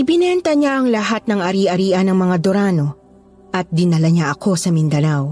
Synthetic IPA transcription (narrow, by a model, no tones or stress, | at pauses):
ʔɪbɪnɛnt̪ɐɲaʔɐŋlɐɦat̪̚nɐŋʔɐɾiːʔɐɾiːʔɐnɐŋmɐŋad̪oɾaːno̞ | ʔɐt̪̚d̪ɪnɐlɐɲaʔɐkʰo̞sɐmɪnd̪ɐnaw